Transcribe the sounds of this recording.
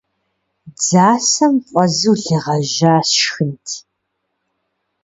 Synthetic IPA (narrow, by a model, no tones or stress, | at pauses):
d͡zaːsɐmqʷʼɐzɨwɮɨʁɐʒaːsxɨntʰ